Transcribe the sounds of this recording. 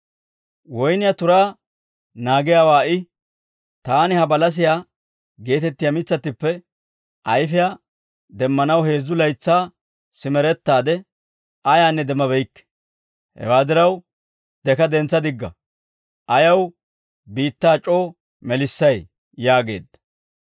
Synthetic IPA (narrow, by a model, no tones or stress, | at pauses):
wɔjnɪjat̪ʊɾaː | naːɡɪjaːwaːɪ | t̪aːnɪhɐbɐlɐs̬ɪjaː | ɡe̞ːt̪ɛt̪ːɪjamɪt͡sːɐt̪ːɪpːɛ | ʔɐjfɪja | d̪ɛmːɐnɐwhe̞ːzːʊlɐjt͡sːaː | sɪmɛɾɛt̪ːaːd̪ɛ | ʔɐjaːnːɛd̪ɛmːɐbɛjkː | hɛ̰waːd̪ɪɾɐw | d̪ɛkɐd̪ɛnt͡sːɐd̪ɪɡːɐ̰ | ʔɐjɐw | biːt̪ːaːt͡ʃʼo̞ː | mɛlɪsːɐj | jaːɡe̞̰ːd̪ːɐ̥